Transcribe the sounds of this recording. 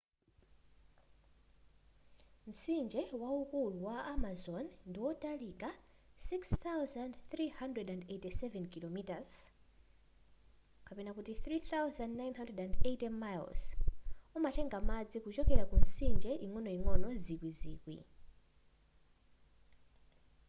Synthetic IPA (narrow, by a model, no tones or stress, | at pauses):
m̩sind͡ʒɛwaukuluwaamazɔnndiwɔtʼalika | sikst̪awzandθɾihandrɛdandetisɛvɛnkilɔmitaz | kapɛnakutiθɾiθawzandnajnɦandrɛdandetɛmajlsumatɛŋɡamad͡zikut͡ʃɔkɛɾakun̩sind͡ʒɛʔiŋwɔnɔiŋwɔnɔzikwizḭːkwḭ